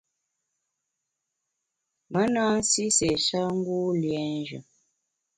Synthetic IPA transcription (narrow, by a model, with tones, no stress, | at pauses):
mə˨˦nã˦n̩˦si˦se˨sa˦ŋ̩˦ɡu˦ljɛ˨˦n˦ʒə̰˨